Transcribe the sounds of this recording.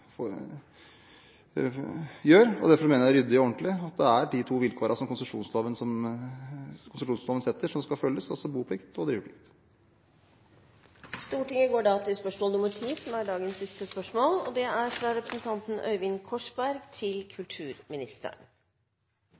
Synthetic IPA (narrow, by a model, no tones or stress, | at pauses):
jøːɾɔ̰d̪æɾfɔɾmeːnəɾjæɾʏd̪ːɪɔɔɳʈ̪lɪɑt̪̚d̪ɛæɖɪt̪ʰuːʋɪlkʰoːɾʔəɑsɔmkʰʊnsəʂṵːnsloːʋənəsɔm | kʰʊnsəʂuːnsloːʋəsɛt̪ːəʂɔmskɑlfœlːəsɔsɔbuːpʰlɪkt̪ɔd̪ɾiːʋəpʰlɪkt̪ | st̪uːʈɪŋəɡoːɖɑːt̪ʰɪspœʂmoːlnʊməʈʰiːsɔmæɖɑːɡənsːɪst̪əspœʂmoːlɔd̪ɛæɾfɾɑɾɛpɾəsən̩t̪ʰɑnt̪n̩ʔœ̰ʏʋɪnkʰɔʂbæɾɡt̪ʰɪlkʰʉlt̪ʰʉːɾmɪnɪst̪ə̰ɳ